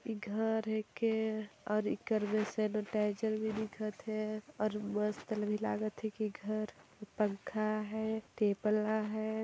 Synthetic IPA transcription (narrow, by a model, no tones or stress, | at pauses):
iɡʱəɾɦɛkeɔːɾikəɾmesenoʈaːd͡ʒəɾbʱid̪ikʰət̪ɦɛɔːɾməst̪ələbʱila̰ːɡət̪ɦɛ̃kiɡʱəɾpə̃ŋkʰaɦɛʈeplaɦɛː